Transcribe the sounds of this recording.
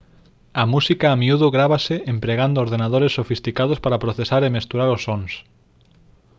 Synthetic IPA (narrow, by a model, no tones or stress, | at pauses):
amusikaːmiuðoɣɾaβaseʔempɾeɣand̪ooɾðenað̞oɾesːofist̪ikað̞ospaɾapɾoθesaɾemest̪uɾaɾosːons